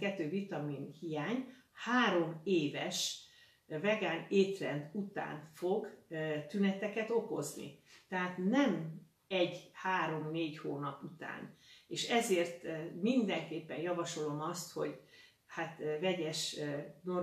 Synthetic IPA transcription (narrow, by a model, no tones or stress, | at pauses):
kɛt̪ːøːvit̪ɒminhijaːɲ | haːɾo̞meːvɛʃ | vɛɡaːneːt̪rɛnd̪ut̪a̰ːnfo̞ɡt̪ynɛt̪ɛkɛt̪o̞ko̞znḭt̪ɛɦaːt̪nɛm | ɛɟhaːɾo̞mneːɟhoːnɒput̪a̰ːneːʃɛzeːrt̪mind̪ɛŋkeːpːɛnjɒvɒʃo̞lo̞mɒst̪ho̞̰ɟ | hat̪vɛɟɛʃno